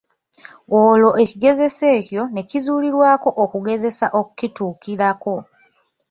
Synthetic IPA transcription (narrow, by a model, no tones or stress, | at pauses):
olo̞ʔe̞ciɡe̞ze̞se̞ːcjo̞ne̞cizuːliɾwaːko̞ʔokuɡe̞ze̞saʔoku̥cituːkiɾako̞